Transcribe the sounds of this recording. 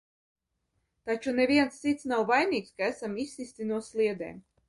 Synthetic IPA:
t̪at͡ʃunevʲiɛnst̪sit̪snawvajnʲiːkskaæsamisʲːisʲt̪inuɔslʲˠiɛd̪ɛ̰ːm

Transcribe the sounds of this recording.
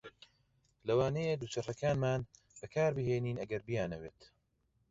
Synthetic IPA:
lɐwaːnɐjed̪uːt͡ʃɐrɐkʰaːnmaːn | b̥ɐkʰaːɾbɨɦeːniːnɐɡɐɾbijaːnɐwḛːt̪

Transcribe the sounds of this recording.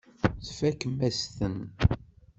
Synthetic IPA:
θfækːmæst̪ən

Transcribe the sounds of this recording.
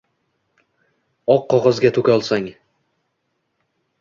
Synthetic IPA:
ɒqːɒʁɒzɡʲat̪ʰɵkʲɒlˠsaŋ

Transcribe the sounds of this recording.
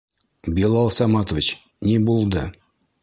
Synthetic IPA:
bʲilˠɑlˠsɑmɑt̪ovʲit͡ɕ | nʲibulˠd̪ɤ

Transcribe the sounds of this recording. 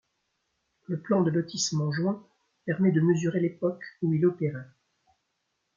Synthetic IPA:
ləplɑ̃d̪ənɔt̪ʰismɑ̃ʒwɛ̃ | pɛʁmɛd̪əməzyʁelepɔkuilɔpeʁɛ

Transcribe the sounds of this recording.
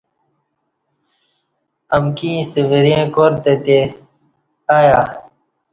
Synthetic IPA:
əmkĩːst̪iʋiɾjẽːkoːɾt̪et̪e | aːjaː

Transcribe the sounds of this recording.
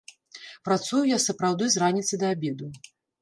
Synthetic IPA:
pɾat̪sujujasɐpɾawd̪ɨzranʲit̪sɐjd̪ɐabʲɛd̪u

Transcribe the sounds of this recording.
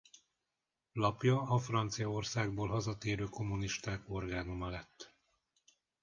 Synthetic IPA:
lɒpjɒɒfrɒnt̪sijɒo̞rsaːɡ̚boːlɦɒzɒt̪eːɾøːko̞mːuniʃt̪aːko̞rɡaːnomɒlɛt̪ː

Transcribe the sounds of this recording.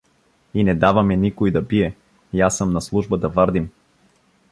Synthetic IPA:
inɛd̪avɐmɛnikojd̪ɐbiɛ | jasəmnaslˠuʒbəd̪ɐvaɾd̪im

